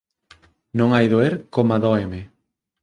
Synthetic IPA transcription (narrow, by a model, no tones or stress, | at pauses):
nõŋajðoeɾkomaðɔeme